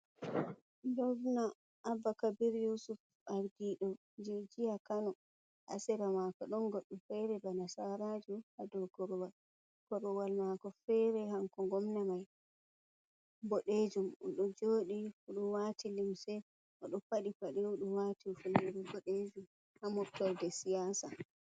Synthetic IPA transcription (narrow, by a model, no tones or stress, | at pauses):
ndɔvna | ʔːbːakabiɾjusuf | aɾdiɗɔ | d͡ʒed͡ʒijakanɔ | ʔa̰sɛɾamakɔɗɔnɡɔɗːɔfɛɾɛbanasaɾad͡ʒuhadɔkɔɾɔwal | kɔɾɔwalmakɔfɛɾɛhaŋkɔŋɡɔmnamaj | bɔɗed͡ʒumɔɗɔd͡ʒoːɗiuɗunwatʰilimsɛ | ʔɔɗɔpaɗifaɗiuɗunwatifunɛɾɛbɔɗed͡ʒum | hamɔftɔɾdɛsijasa